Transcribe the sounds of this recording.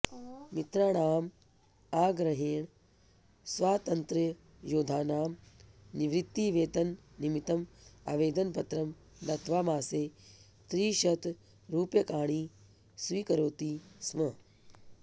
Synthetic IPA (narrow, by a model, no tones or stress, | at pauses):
mit̪ɾaːɳaːm | aːɡɾɐɦeːɳ | sʋaːt̪ɐnt̪ɾɐ | joːd̪ʱaːnaːmniʋɾit̪ːiːʋeːt̪ɐnː | imit̪ɐma̰ːʋeːd̪ɐnpɐt̪ɾɐm | d̪ɐt̪ʋaːmaːseː | t̪ɾiːʃɐt̪ | ɾuːpjɐkaːɳ̃iː | sʋiːkɐɾoːt̪iːsmɐ